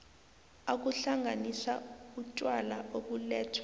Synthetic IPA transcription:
ak̬uɬaŋɡʱanisaut͡ʃʼwalaʔok̬ulɛːtʰwɛ̥

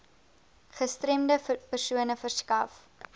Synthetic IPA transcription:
χəstrɾemdəpərsuənəfərskɐf

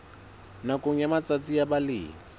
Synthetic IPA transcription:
nakoŋ̩jamat͡sat͡sijabalɪ̰ːŋi

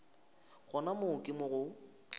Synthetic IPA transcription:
ɣɔnamʊkʼɪmʊɣʊ

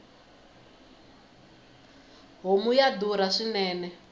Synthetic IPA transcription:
ɦomujad̪uɾaʂinɛːnɛ

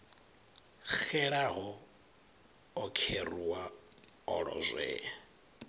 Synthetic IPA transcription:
k͡xɛɺaɦɔ | kʰeriwa | ɔɺɔ̰zwɛ̰ːa

